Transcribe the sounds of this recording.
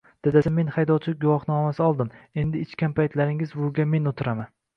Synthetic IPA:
d̪̥ed̪asɪme̞nhajd̪ɒwt͡ʃʰɪɡʊwɒχnɒmasɪɒlˠd̪ɪme̞nd̪ɪːt͡ʃkʲanpʰajt̪ʰlaɾɪŋɪzbʊɡʲame̞nʊt̪ʰɪɾaman

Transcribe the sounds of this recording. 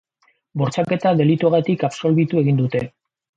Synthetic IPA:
bo̞ɾt͡sake̞t̪aðe̞lit̪uaɣet̪ikapso̞lβit̪ue̞ɣind̪ut̪e̞

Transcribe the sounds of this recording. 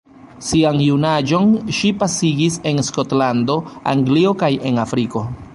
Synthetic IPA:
sianjunad͡ʒo̞nʃipasiɡise̞nsko̞tlando̞a̰ŋɡlio̞kaje̞nafɾiko̞

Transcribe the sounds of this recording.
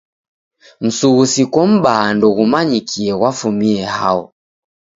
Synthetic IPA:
m̩suɣusikwɔm̩ɓaːndɔɣumaɲikʰiɛɣwafumiɛha̰ɔ̰

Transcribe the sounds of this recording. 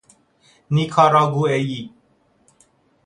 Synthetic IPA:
nikʰaɾaɡueji

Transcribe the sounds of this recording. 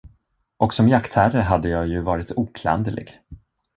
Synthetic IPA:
ʔɔksɔmjakt̪hæɾəɦad̪ːəjɑːjɵvɑːɾɪt̪uːkʰla̰nd̪əlɪ̰ɡ

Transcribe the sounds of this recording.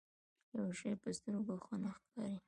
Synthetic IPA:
jawʃejpəst̪əɾoɡaxunaxkɑɾi

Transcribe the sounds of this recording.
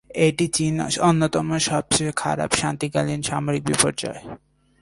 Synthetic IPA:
eʈit͡ɕinonːot̪ɔmoʃɔb̚t͡ɕekʰa̰ɾa̰bʃant̪ikalinʃamoɾik̚bipoɾd͡ʑɔ̰e

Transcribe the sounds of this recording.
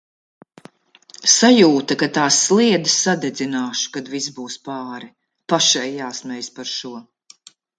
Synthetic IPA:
sajuːt̪akat̪aːsːlˠiɛd̪issad̪ɛd̪zinaːʃu̥kad̪vis̬buːspaːɾi | paʃɛjːaːsmɛjspaɾʃuɔ

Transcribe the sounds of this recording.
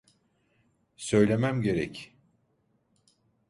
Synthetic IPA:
sø̞jlʲe̞mæmɟe̞ɾɛ̰c

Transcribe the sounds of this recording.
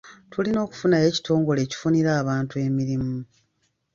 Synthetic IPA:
tʰulino̞ːku̥funaje̞ːci̥tʰo̞ːŋɡo̞le̞ːci̥funiɾaːβaːntue̞ːmiɾimu

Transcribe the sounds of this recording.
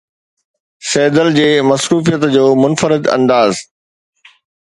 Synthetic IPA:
sɛːd̪əld͡ʑeːmɐsɾuːfijət̪d͡ʑoːmʊnfəɾɪd̪ɐ̰̃nd̪aːz

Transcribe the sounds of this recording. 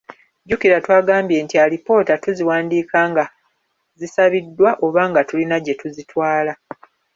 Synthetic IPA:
ɟukiɾatwaːɡaːmbje̞ːntialipo̞ːtatuziwaːndiːkaːŋɡa | zisaβidːwaʔo̞βaːŋɡatulinaɟetuzitwaːla

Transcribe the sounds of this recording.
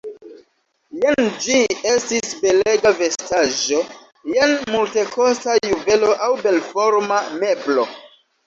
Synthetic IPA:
jend͡ʒie̞stisbe̞le̞ɡave̞staʒo̞ | jenmulte̞ko̞stajuve̞lo̞ʔawbe̞lfo̞ɾmame̞blo̞

